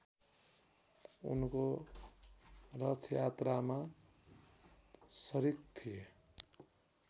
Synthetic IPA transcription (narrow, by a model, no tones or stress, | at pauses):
ṵnko | rʌt̪ʰjat̪rama | sʌɾik̚t̪ʰie